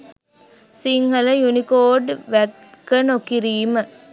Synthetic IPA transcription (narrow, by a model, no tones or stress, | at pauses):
siŋhələjunikoːɖʋæ | kənokiɾiːmə